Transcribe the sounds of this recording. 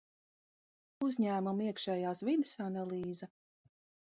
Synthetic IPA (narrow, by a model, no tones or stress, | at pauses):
uzɲæːmumiɛkʃɛːjaːsvid̪esanalˠiːza